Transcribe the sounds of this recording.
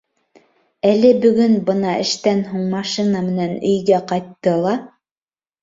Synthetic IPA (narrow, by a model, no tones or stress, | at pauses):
ælɘbɵ̆ɡɵnbɤnɑʔɘ̰̆ʃt̪ænɦuɴmɑʃinɑmɘ̆nænɵ̆jɡæqɑjt̪ːɤlˠɑ